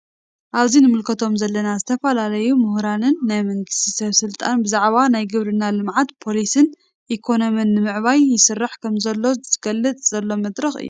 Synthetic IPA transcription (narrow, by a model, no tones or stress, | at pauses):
ʔaβzinɨmɨlkʰɐt̪ʰo̞mzɐlːɐnazɨt̪ʰɐfɐlalɐjumɨhɾanɨnːajmɐŋɡɨst̪ʰisɐβsɨlt̪ʼanbɨzaʕβanajɡɨβɾɨnːalɨmʕat̪pʰo̞lisɨn | ʔikʰo̞no̞mɨnːɨmɨʕβajːɪsɨrːaħkʰɐmzɐlːo̞z̥ɨɡ̥ɐlːɨt͡s̪ʼz̥ɐlːo̞mɐd̪ɾɐxɨ̰jːṵ